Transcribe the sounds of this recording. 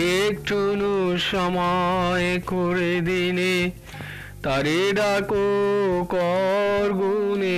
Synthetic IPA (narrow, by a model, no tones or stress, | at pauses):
ek̚ʈʰunuʃamɔekoɾed̪ine | t̪aɾeɖakokɔɾɡune